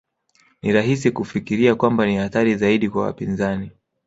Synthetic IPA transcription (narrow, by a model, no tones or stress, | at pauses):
niɾahisikufikiɾiakwambanihaθaɾizaiɗikwawa̰pinzani